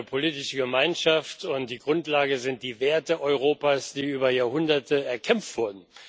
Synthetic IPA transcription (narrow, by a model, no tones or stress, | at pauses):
pʰoliːtɪʃəɡəmaɪnʃaftʊntd̥iːɡʁʊntlaːɡəzɪnt̚d̥iːveːɐtəʔɔʏʁ̞oːpaːsd̥iːyːbɐjaːɐhʊndɐtəɛɐkʰɛmftv̥ʊɐdn̩